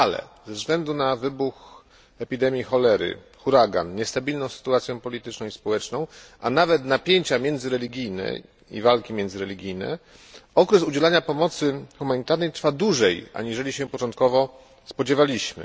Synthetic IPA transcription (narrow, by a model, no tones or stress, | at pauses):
alɛ̰zɛvzɡlɛnd̪unavɘbux | ɛpʲid̪ɛmʲjixɔlɛɾɘ̰ | xuɾaɡa̰nɲɛst̪abʲilnɔ̃w̃sɘ̥t̪uat̪sʲjɔ̃pɔlʲit̪ɘt͡ʂnɔ̃w̃ispɔwɛt͡ʂnɔ̃w̃ʔa̰navɛt̪napʲjeɲt͡ɕamʲjɛnd̪zɘɾɛlʲiɡʲijnɛ̰ | ḭvalkʲimʲjɛndzɘɾɛlʲiɡʲijnɛ̰ | ɔkɾɛsud͡ʑɛlaɲapɔmɔt̪sɘxumaɲit̪aɾnɛjt̪ɾfad̪wuʐɛjʔa̰ɲiʐɛlʲiɕɛpɔt͡ʂɔ̃nt̪̚kɔvɔ | spɔd͡ʑɛvalʲiɕmɘ̰